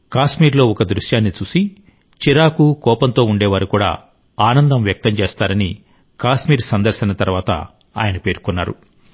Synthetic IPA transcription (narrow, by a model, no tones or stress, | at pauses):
kaːʃmiːɾlo̞ːɔkɐd̪ɾuʃjaːnːit͡ʃuːsi | t͡ʃiɾaːkukɔːpɐnt̪o̞ːuɳɖɛːʋaːɾukuːɽa̰ː | aːnɐnd̪ɐmʋjɐk̚t̪ɐmt͡ʃeːst̪aːɾɐni | kaːʃmiːɾsɐnd̪ɐɾsinɐt̪ɐɾʋaːt̪ɐ̰ | a̰ːjɐnɐpe̞ːɾkunːa̰ːɾṵ